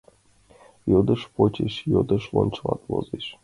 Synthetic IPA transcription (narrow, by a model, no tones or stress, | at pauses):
jod̪ɤʃpot͡ɕeʃjod̪ɤ̆ʃlˠonʲt͡ɕlˠɑt̪vo̰zeʃ